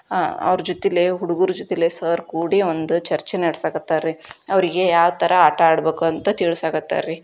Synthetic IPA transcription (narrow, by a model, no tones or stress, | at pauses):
ɐ̰ʋɾɐd͡ʒot̪ileɦuɽuɡuɾud͡ʒot̪ilesɐːɾkuːɽiond̪ut͡ʃɐɾt͡ʃenɐɽsaːɡɐt̪ːaɾiɐʋɐɾiɡe̞jaːʋt̪ʰɐɾɐaːʈɐaːɽbe̞ːkuɐnt̪ɐt̪iːɭusaːɡɐt̪ːa̰ɾi